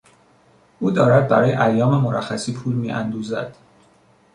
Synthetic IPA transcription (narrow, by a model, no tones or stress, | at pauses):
ʔuːd̪ɒːɾæd̪̚bæ̰ɾɒːjḛʔæjːɒːmemoɾæxːæsiːpʰuːlmiːʔæ̰nd̪uːzæ̰d̪̥